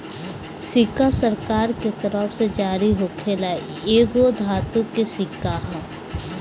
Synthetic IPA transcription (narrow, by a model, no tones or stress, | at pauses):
sɪkasəɾkaːɾket̪əɾəfsed͡ʒaːɾiɦokʰelae | eːɡod̪ʱaːt̪ʊ̃kːesɪkːaɦ